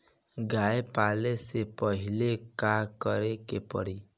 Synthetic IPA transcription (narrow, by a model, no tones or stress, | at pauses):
ɡaepalesepɔɦilekakɔɾekepɔ̰ɽi